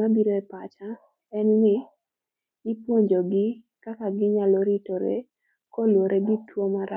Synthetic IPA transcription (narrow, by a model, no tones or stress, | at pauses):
abiɾoɛpat͡ʃa | ɛnnɪ̥ | ɪpwoɲd͡ʒoɡɪ | kakaɡɪɲalɔɾitoɾḛ | kolwoɾʔeɡitwomaɾa